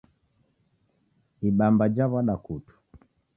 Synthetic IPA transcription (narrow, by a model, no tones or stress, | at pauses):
iɓambad͡ʒaβaɗakutu̥